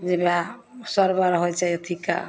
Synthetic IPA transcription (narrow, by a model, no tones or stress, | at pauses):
d͡ʒebasɔɾbaɾɦojt͡ʃajɔt̪ʰika̰